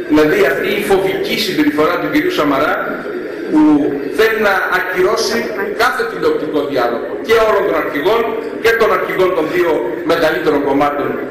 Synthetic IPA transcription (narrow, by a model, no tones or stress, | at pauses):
ðilɐðiɐft̪iːfo̞vicisimbe̞ɾifo̞ɾɐt̪uciɾiusɐmɐɾɐ | pu | θe̞linɐːciɾo̞sikɐθe̞t̪id̪ok̚t̪iko̞ðiɐlo̞ɣo̞ce̞olo̞nt̪o̞nɐɾçiɣo̞n | ce̞t̪o̞nɐɾçiɣo̞nt̪o̞nðio̞me̞ɣɐlit̪e̞ɾo̞ŋko̞mɐt̪o̞n